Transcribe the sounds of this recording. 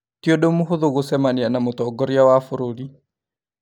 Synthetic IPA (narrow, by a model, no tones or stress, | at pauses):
kioɗomuɦoðoɣosɛmanianamotɔɡɔɾiawafoɾoli